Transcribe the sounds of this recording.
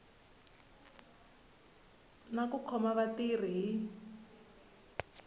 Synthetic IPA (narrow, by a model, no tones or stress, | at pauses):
nakukʰɔmaβatir̤iɦi